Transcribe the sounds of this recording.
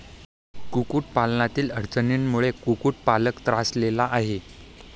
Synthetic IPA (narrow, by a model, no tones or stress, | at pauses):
kukuːʈ̚palnat̪iːləɾt͡səninmuɭekukuːʈ̚paləkt̪ɾaslelaʔaɦe